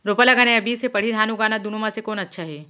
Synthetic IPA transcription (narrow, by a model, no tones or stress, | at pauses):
ɾopəlaɡaːneɐbiːsepɐɽ̤id̪ʱaːnuɡaːnad̪unomãsekoːnɐtːʃʰaɦɛː